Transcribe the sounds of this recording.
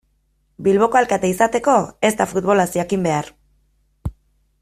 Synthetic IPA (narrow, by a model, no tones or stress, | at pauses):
bilβ̞o̞ko̞alkat̪eisat̪e̞ko̞e̞st̪afut̪̚βo̞lasiakimbe̞aɾ